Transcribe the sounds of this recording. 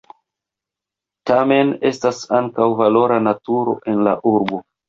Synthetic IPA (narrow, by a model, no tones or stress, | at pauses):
tame̞ne̞stasaŋkawvalo̞ɾanatuɾo̞̰ʔe̞nla̰ʔuɾbo